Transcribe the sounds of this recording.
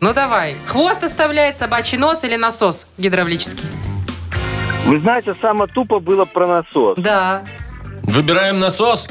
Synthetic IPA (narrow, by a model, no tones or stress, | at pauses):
nud̪ɐvajxvo̞st̪ɐst̪ɐvlʲæjɪt̪sɐbat͡ɕɪjno̞silʲɪnɐso̞sɡʲɪd̪ɾɐvlʲit͡ɕɪ̥skʲɪj | vɨznajɪtʲɪsamət̪upəbɨlˠəpɾənɐsosd̪a | vɨbʲɪɾajɪmnɐsos